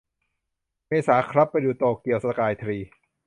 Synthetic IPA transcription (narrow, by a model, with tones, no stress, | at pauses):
meː˧saː˩˦kʰɾa˦˥pːa˧jduː˨˩t̪oː˨˩kːi˨˩əwsa˧kaː˧jt̪ʰɾiː˧